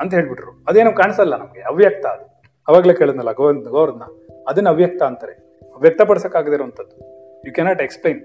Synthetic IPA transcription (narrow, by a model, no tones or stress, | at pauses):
ɐnt̪ɐɦeːɭbiʈɾuɐd̪ue̞ːnuːkaːɳisɐlːɐnɐmɡeɐʋjɐk̚t̪ɐːd̪u | ɐʋaːɡɐle̞ːkeːɭid̪nɐlːɐɡonɡoːɾɐd̪na | ɐd̪ɐnːɐʋjɐk̚t̪ɐːnt̪ɐɾḛ | ɐʋjɐk̚t̪ɐpɐɽsɐkːaːɡd̪eɾoːɐnt̪ʰɐd̪ːu | juːkɛnaːʈeksplejn